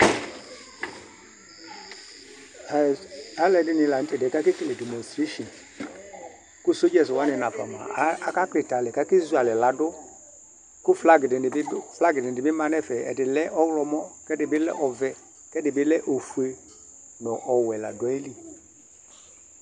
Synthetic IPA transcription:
a˨˦lɛ˨dɪ˦nɪ˨la˨n̩˦tɛ˨dɛ˨ka˦kɪ˦ke˨lɛ˨dɛ˨mɔ˨stɾe˦ʃɔ̃˨n | ku˦˨so˦d͡ʒɛ˨swa˨˦nɪ˨na˨fa˨ma̰˨˦a˨˦ka˦klɪ˨ta˨lɛ˨ka˦ki˦zu˦a˨lɛ˨la˨dʊ˦ | kʊ˦fla˦ɡɪ˨dɪ˨ɪ˨˦fla˦ɡɪ˨dɪ˨dɪ˨bɪ˦ma˨nɛ˦˨fɛ˨ɛ̰˨dɪ˨lɛ˦ʔɔ˦ɣlɔ˧mɔ˦kɛ˦dɪ˨bɪ˦lɛ̰˦ʔɔ˨vɛ˨ | kɛ˦dɪ˨bɪ˦lɛ˦ʔo˨fu˨e˨ | nɔ˨ʔɔ˨wɛ˨la̰˨dɔ˨˦i˦li˦

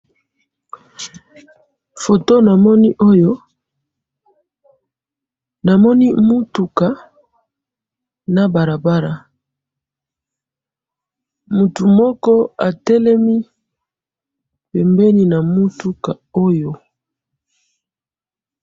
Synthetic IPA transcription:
fo˨to˦na˨mɔ˦ni˦ʔo˦jo˦ | na˨mɔ˦ni˦mu˦tu˨ka˨ | na˨ba˨ɾa˨ba˦ɾa˨ | mu˨tu˨mɔ˦kɔ˦a˨tɛ˦lɛ˦mi˦ | pɛ˨mbɛ˦ni˦na˨mu˦tu˦ka˨o˦jo˨

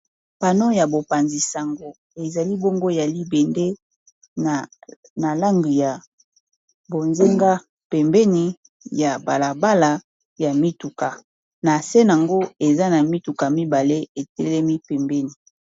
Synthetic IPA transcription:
pa˨no˦ja˨bo˨pa˨nzi˨sa˨ŋɡo˨ | e˨za˨li˦bo˦ŋɡo˦e˨ja˨li˦bɛ˨nde˦˨ | na˨la˦ŋɡi˨ja˨ | bo˨nze˦ŋɡa˦ | pɛ˨mbɛ˦ni˨ | ja˨ba˨la˨ba˦la˨ | ja˨mi˦tu˨ka˨ | na˨sɛ˦na˨ŋɡo˦e˨za˦na˨mi˦tu˨ka˨mi˦ba˨le˦e˨tɛ˦lɛ˦mi˦pɛ˨mbɛ˦ni˨

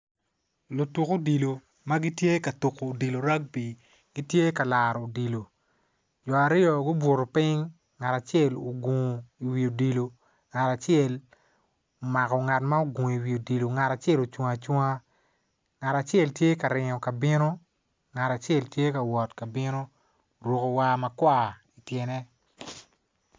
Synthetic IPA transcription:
lo˨tu˨ko˦di˨lo˨ | ma˦ɡi˦tje˦ka˨tu˨koː˨di˨lo˨ɾa˦k̚pi˨ | ɡ̥i˦tje˦ka˨la˨ɾɔ˨o˨di˨lo˨ | d͡ʒɔ˨a˨ɾɪ˦ɔ˨ɡʊ˦bo˨ɾo˨pɪ˦ŋː | a˨ta˨t͡ʃɪɛ˦˨lo˨ɡo˨ŋ˨i˨wi˨o˨di˨lo˨ | ŋa˨ta˨t͡ʃjɛ˦˨l | o˨ma˨kɔ˨ŋa˨tma˦o˨ɡo˨ŋ˨i˨wi˨o˨di˨lo˨ŋa˨ta˨t͡ʃɛ˦lo˨t͡ʃwa˦a˨t͡ʃwɔ˦a˦ | ŋa˨ta˨t͡ʃjɛ˦˨ltje˦ka˨ɾɪ˨ɲɔ˨ka˨bɪ˦no˦ | ŋa˨ta˨t͡ʃɛ˦˨ltje˦ka˨wɔ˨tka˨bɪ˦no˦ | ɾwo˨ko˨wa˦mɐ˨kwa˦i˨tjɛ˨nɛ˦

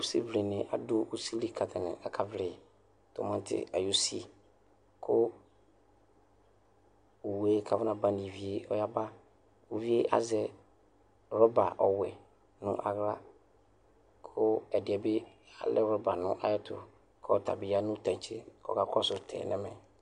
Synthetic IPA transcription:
sḭ˦vle˨nɪ̃˨ʔa˨dʊ˦u˦si˦li˨kʰa˨tʰa˨nɪ̰̃˨a˨kʰa˦vlɪ˨ | tɔ̰˨mã˦n˦tʰɪ̰˨a̰˨ju˦sḭ˦˨ | kʰʊ˦ | o˨we˦kʰa˨vɪ˦nã˨bã˦nĩ˨vi˨e˦ɔ˦ja˦ba˦ | o˨vi˦e˦ʔa̰˦zɛ˦ | ɾɔ˦ba̰˨ʔɔ˨wɛ˨ | nʊ̰̃˦ʔa̰˨ɣɾa˦ | kʰʊ˦ɛ˨dɪ˨ɛ˨bɪ˦ | a̰˨lɛ˦ɾɔ˦ba˨nʊ̃˦ʔa̰˨jɔ˦tʰʊ̰˨ | kʰɔ˦˨tʰa̰˨bɪ˨a˦nʊ̃˦tʰã˨t͡ʃʰɪ˦kɔ̰˨ka˦kʰɔ˦sʊ˨tʰɛ̰˨nɛ̃˦mɛ̃˨

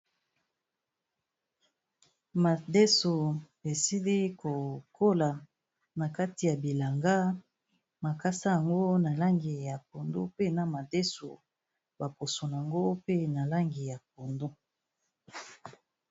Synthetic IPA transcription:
ma˨de˦so˨be˨si˦li˦ko˨kʰo˦la˨ | na˨ka˦ti˨ja˨bi˨la˨ŋɡa˦ | ma˨ka˦sa˦ja˨ŋɡo˦na˨la˦ŋɡi˨ja˨po˨ndo˦pe˦na˨ma˨de˦so̰˨ | ba˨po˨so˨n˨a˨ŋɡo˦pe˦na˨la˦ŋɡi˨ja˨p̚o˨ndo˦

